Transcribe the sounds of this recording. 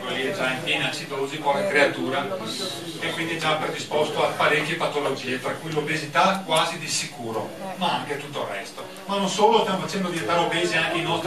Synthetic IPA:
keliɛd͡ʒaiɱfiːnat͡ʃit̪olozipɔkekɾeat̪uːɾa | ekwind̪id͡ʒapɾed̪ispɔst̪oapaɾekːjepat̪ːolod͡ʒiːet̪ɾakujlobezit̪akwaːzid̪isikuːɾomaaŋket̪ut̪ːorːɛst̪o | manonsoːlost̪jamofat͡ʃɛnd̪od̪iant̪aːɾeobeːziainɔlt̪

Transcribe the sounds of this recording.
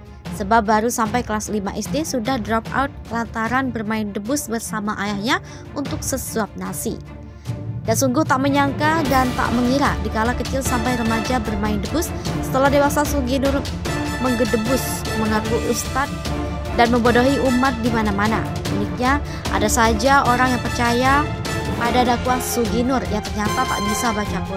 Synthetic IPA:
səbap̚baɾusampajkəlaslimaʔisdesudahdɾɔp̚a̰ut̪̚lant̪aɾanbərmaɪndəbʊsbərsamaʔajahɲa | unt̪ʊk̚səsuap̚nasḭ | dansuŋɡʊht̪aʔməɲaŋkadant̪a̰ʔməŋiɾadikalakət͡ʃɪlsampajɾəmad͡ʒabərmaɪndəbʊsː | ə̥t̪əlahdewasasuɡinʊr | məŋɡədəbʊs | məŋakuʔust̪at̪̚ | danməmbodoɦiumat̪̚dimanamana̰ | bəlɪk̚ɲa | ʔa̰dasad͡ʒaoɾaŋjaŋpərt͡ʃaja | padadakuasuɡinʊrjat̪ərɲat̪at̪a̰ʔbisabat͡ʃaku

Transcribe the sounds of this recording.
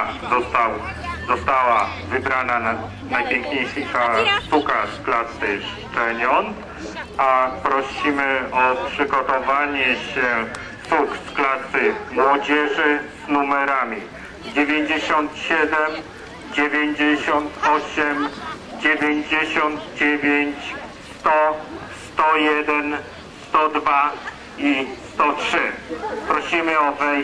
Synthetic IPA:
zɔt̪awzɔst̪awavɘbɾana | najpʲjeŋkɲejʂɨʂasukaʂsklasɘʂt͡ʂɛɲɔn | apɾɔɕimɘɔpʂɘɡɔt̪ɔvaɲɛɕɛ | suksklasɘmwɔd͡ʑɛʐɘz̥numɛɾamʲi | d͡ʑevʲjeɲd͡ʑeɕɔnt̪ɕɛd̪ɛm | d͡ʑevʲjeɲd͡ʑeɕɔnt̪ʰɔɕɛm | d͡ʑevʲjeɲd͡ʑeɕɔnd̪d͡ʑevʲjeɲt͡ɕst̪ɔst̪ɔjɛd̪ɛn | sst̪ɔd̪va | ist̪ɔtʂɘpɾɔɕimɘɔvɛ

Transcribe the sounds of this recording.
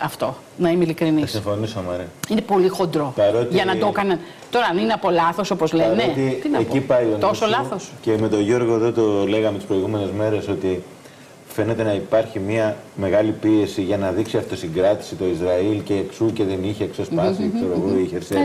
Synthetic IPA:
ɐft̪o̞ | nɐimeilikɾiniɐsimfo̞nisomɐɾiine̞po̞lixo̞nd̪ɾo̞pɐɾo̞t̪iʝɐnɐd̪o̞kɐnɐn | t̪o̞ɾɐːnineɐpo̞lɐθo̞sopozleɐɾnet̪it̪inɐekipɐiont̪o̞sollɐθosceme̞t̪oʝo̞ɾɣoeðo̞t̪ole̞ɣɐmet̪ispɾo̞iɣumene̞zme̞ɾe̞so̞t̪i | fe̞ne̞t̪e̞nɐipɐɾçimiɐme̞ɣɐlipie̞siʝɐnɐðiksiɐft̪o̞siŋɡɾɐt̪i̥sit̪o̞izɾɐilce̞ːksuce̞ðeniçe̞ːksespɐsit̪oɾoɣuuiçeɾse

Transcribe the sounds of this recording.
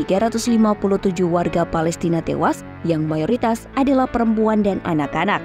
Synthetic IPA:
iɡaɾat̪uslimapuluht̪ud͡ʒuhwarɡapalɛst̪inat̪ḛwas | jaŋmajoɾit̪asadalahpəɾəmpuandanʔa̰nakanak̚

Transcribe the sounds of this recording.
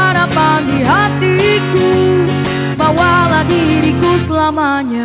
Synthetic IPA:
aɾapandiɦat̪iku | bawalaɡiɾikusəlama | ɲa

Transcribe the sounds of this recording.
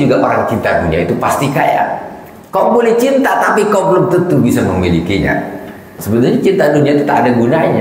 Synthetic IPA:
d͡ʒuɡapaɾaŋt͡ʃint̪aduniait̪upast̪ikaja̰ | kaobolɛht͡ʃint̪at̪apikabələmt̪ənt̪ubisaməmilikiɲa̰ | səbət̪urɲat͡ʃint̪aduniait̪ut̪aʔadaɡunaɲa

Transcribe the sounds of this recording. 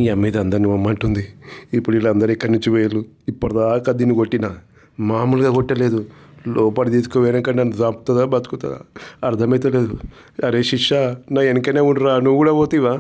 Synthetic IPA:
amːiːd̪ɐnd̪ɐɾnuʋɐmːɐɳʈund̪iipːuɽuilːɐnd̪ɐɾɛkːɐɾɐniɲt͡ʃuʋejɐluipːɐɽɐd̪aːkaːd̪iːnːiɡoʈːinɐ | maːmulɡaːkoʈːɐleːd̪ulɔːpaːlit̪iːsu̥koːʋeɾɐŋkɐɐnːusaːpt̪ɐd̪aːbɐt̪ukut̪ɐ̰a̰ɐɾd̪ʰʱɐmɐjt̪ɐleːd̪u | ɐɾeʃiʂanaːenkɐneːuɳɖɾaːnuɡuːɽaːboːt̪iʋaː

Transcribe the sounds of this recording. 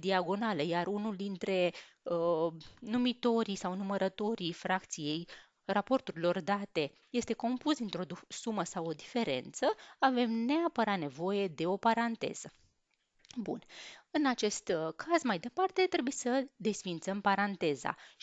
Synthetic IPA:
d̪iaɡo̞naləjarunuld̪int̪ɾe̞ənumit̪o̞ɾisawnuməɾət̪o̞ɾijfɾakt̪sije̞j | rapo̞rt̪uɾilo̞rd̪at̪e̞ | je̞st̪e̞ko̞mpusd̪int̪ɾo̞d̪usuməsawo̞d̪ife̞ɾe̞̰nt̪səave̞mne̞apəɾat̪ne̞vo̞je̞d̪e̞o̞paɾant̪e̞̰z̥ə | bṵnɨnat͡ʃe̞st̪kʰazmajd̪e̞part̪e̞t̪ɾe̞bujesəd̪e̞sfint̪səmpaɾant̪e̞za̰

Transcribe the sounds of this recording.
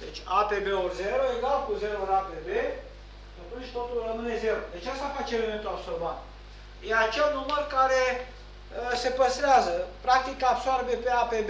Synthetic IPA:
d̪et͡ʃʲapebeorzeɾoeɡalkuzeɾooɾapebe | k̪ət̪unʃʲt̪ot̪ulrəmɨnezeɾod̪et͡ʃast̪afat͡ʃeɾenet̪uapsolbat̪ | jeat͡ʃelnumərkaɾe | sepəst̪ɾeazəpɾak̚t̪ikapsoaɾbepeapeb

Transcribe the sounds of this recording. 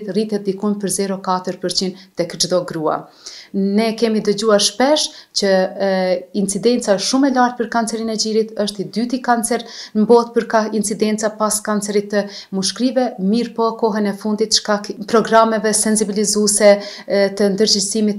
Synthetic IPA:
t̪rit̪ɛt̪̚d̪ikɔjmpəɾzɛɾɔkat̪əɾpəɾt͡ɕint̪ɛkd͡ʒðɔɡɾua̰ | nɛkɛmid̪əɟuaɾʃpɛʃt͡ɕə | int͡sid̪ɛnt͡saɛʃumɛlaɾt̪̚pəɾkant͡sɛɾinɛd͡ʑiɾit̪əʃt̪id̪yt̪ikant͡sɛɾnəmbɔt̪̚pəɾkaɦint͡sid̪ɛnt͡sapaskant͡sɛɾit̪ːəmuʃkɾivɛmiɾpɔkɔɦɛnɛfund̪it̪ʃkakpɾɔɡɾamɛvɛsɛnsibilizusɛt̪ənd̪əɾd͡ʑisimit̪

